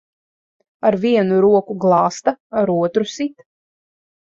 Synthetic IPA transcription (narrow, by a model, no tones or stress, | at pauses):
aɾviɛnuɾuɔkuɡlˠɑːst̪aaɾuɔt̪ɾusit̪